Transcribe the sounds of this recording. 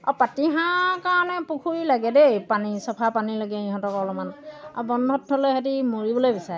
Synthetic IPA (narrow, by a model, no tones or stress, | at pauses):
apatiɦãkaɹɔnɛpukʰuilaɡɛdɛpanisɔpʰapanilaɡɛiɦɔ̃tɔkɔlɔmanɔabɔndʱɔtʰːɔloɦatimoɹibɔlojbisaɹɛ